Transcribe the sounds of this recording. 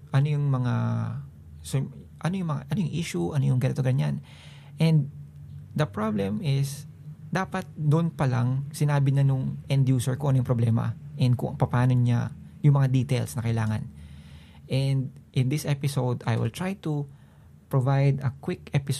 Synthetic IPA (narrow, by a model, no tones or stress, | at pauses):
ʔɐnojʊŋmɐŋa | s | ʔɐnojʊŋmɐŋa̰ʔɐnojʊŋʔiʃuʔɐnojʊŋɡɐnɐt̪ʊɡaɲjan | ʔɛnd̪̚d̪ɐpɹablɛmɪs | d̪aːpɐt̪̚d̪ʊʔnpɐlaŋsɪnaːbɪɲanʊŋʔɛnd̪juːsɛɹkoʔɐnojʊŋpɾoblɛːmɐ̰ʔɛnd̪̚kʊ̰ʔpɐpaːno̞ɲa̰jʊŋmɐŋad̪iːt̪ɛlsnɐkɐjlaːŋɐ̰n | ʔɛnd̪̚ʔɪnd̪ɪsʔɛpɪsowd̪a̰jwɪ̰lt̪ɹajt̪u | pɹovajd̪ɐkwɪkɛpɪs